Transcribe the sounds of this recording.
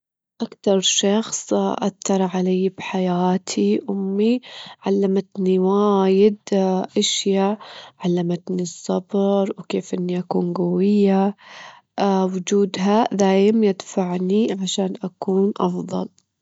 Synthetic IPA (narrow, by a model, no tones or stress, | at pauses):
ʔakt̪ɑɾˤʃɑxsˤʔaθːɑɾˤʕalaːbħajaːt̪ʰiʔʊmːiʕalːamat̪niwaːjɪd̪ʔaʃjaʕalːamat̪nisˤːɑbɾˤwkeːfʔɪnːiʔakuːnɡawɪjːa | wʊd͡ʒuːd̪ɦad̪aːjɪmjɪd̪faʕniʕaʃaːnʔakuːnʔɑfðˤɑ̰l